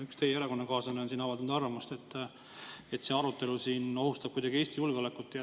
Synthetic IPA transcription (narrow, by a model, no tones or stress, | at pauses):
ykst̪ejejæɾɑko̞nːɑkɑːsɑneonsinɑvɑld̪ɑnud̪ɑrvɑmust̪et̪ː | e̞t̪ːse̞ɑɾut̪ːe̞lusiːno̞hust̪ɑb̥̚kujd̥̪ɑɡ̥ieːst̪ijulɡ̥eo̞le̞kːˑut̪ːeɑ